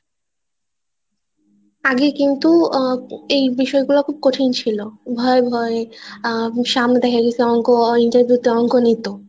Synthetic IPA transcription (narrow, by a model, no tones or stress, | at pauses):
aɡekint̪u | ejbiʃɔeɡulakʰub̚koʈʰint͡ɕʰilobʱɔebʱɔe | ʃamned̪ɛkʰakit͡ɕʰeɔŋkoiɳʈaɾbʱjut̪eɔŋkonit̪o